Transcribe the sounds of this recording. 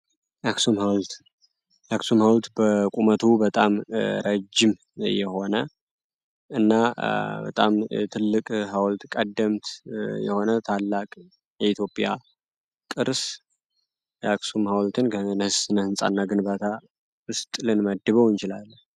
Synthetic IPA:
jaksumhawlt̪ | jaksumhawlt̪bəkʼumət̪ʰubət̪ʼamɾəd͡ʒːɪm | jɛho̞nə | ɨnːabə̰t̪ʼa̰mt̪ʰɨlːɨkʼɦawlt̪kʼəd̪ːəmt̪jɛ̰ho̞nət̪ʰalːakʼ | jɛit̪ʰjo̞pʼja̰ | kʼɨɾs | jʔaksumhawlt̪ʰɨnkənəhsɨnəhɨnsʼa̰nːaɡɨnbat̪ʰa | ɨst̪ʼlɨnməd̪ːɨβəwɨnt͡ʃɪlalːəh

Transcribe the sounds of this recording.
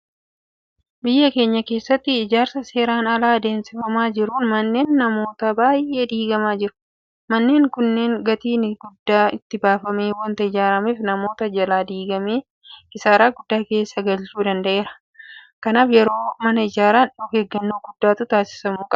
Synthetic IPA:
bɪjːɐke̞ːɲːɐke̞ːsːɐt̪ːɪːd͡ʒaːɾsɐse̞ːɾaːnɐlaːd̪e̞ːnsɪfɐmaːd͡ʒɪɾuːnmɐnːe̞ːnːɐmo̞ːt̪ɐbaːjʔe̞ːd̪iːɡɐmaːd͡ʒɪɾʊ̥ | mɐnːe̞ːŋkʊnːe̞ːŋɡɐt̪iːnɡʊd̪ːaːɪt̪ːɪbaːfɐmeːwɐnt̪ɐɪd͡ʒaːɾɐmiːfnɐmo̞ːt̪ɐd͡ʒɐlaːd̪iːɡɐmeː | ɪsaːɾaːɡʊd̪ːaːke̞ːsːɐɡɐlt͡ʃuːd̪ɐnd̪ɐʔe̞ːɾɐ̥ | kɐnaːfjɛɾo̞ːmɐnɐɪd͡ʒaːɾaːnᶑɔkeːɡːɐnːoːɡʊd̪ːaːt̪ʊt̪aːsɪ̥sɐmuːkʼɐb

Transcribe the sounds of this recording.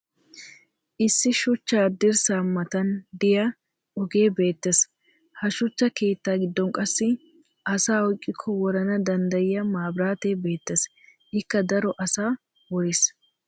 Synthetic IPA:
ʔɪsːɪʃʊt͡ʃːaːd̪ɪɾsaːmːɐt̪ɐnd̪ɪjɐ | ɔɡe̞ːbe̞ːt̪ːes | hɐʃʊt͡ʃːɐke̞ːt̪ːaːɡɪd̪ːɔŋkʼɐsːɪ | ʔɐsaːɔjkʼːɪkʰːɔwɔɾɐnɐd̪ɐnd̪ɐjɪjɐmaːbɾaːt̪eːbe̞ːt̪ːes | ʔɪkːɐd̪ɐɾɔʔɐsaː | wɔɾɪs

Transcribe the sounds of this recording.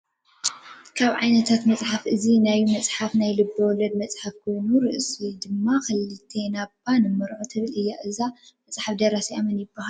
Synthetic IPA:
kʰaβʕajnɐt̪ʰat̪mɐt͡sʼħafʔɨzinajumɐt͡sʼħafnajlɨbːɨwɔlɐd̪mɐt͡sʼħafkʰo̞jnuɾɨʔsid̪ɨmːaxɨlːɨt̪ʰenabanɨmɨɾʕot̪ʰɨβɨlɨjːaʔɨza | mɐt͡sʼħafd̪ɐɾasiʔamɐnjɪbːahal

